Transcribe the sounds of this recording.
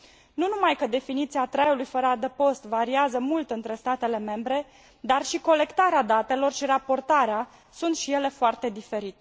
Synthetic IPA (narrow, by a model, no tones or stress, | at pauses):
nunumajkəd̪e̞finit̪siat̪ɾajulujfəɾəad̪əpo̞st̪vaɾiazəmult̪ɨnt̪ɾe̞st̪at̪e̞le̞me̞mbɾe̞ | d̪arʃiko̞le̞kt̪aɾead̪at̪e̞lo̞rʃiɾapo̞rt̪aɾea | sunt̪ʃije̞le̞foart̪e̞d̪ife̞ɾit̪e